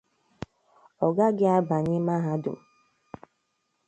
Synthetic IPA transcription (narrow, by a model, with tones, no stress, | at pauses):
ɔ˨ɡa˦ɡɪ˦a˦ba˨ɲɪ˦ma˦ɦa˦dʊ̰˨m̩˨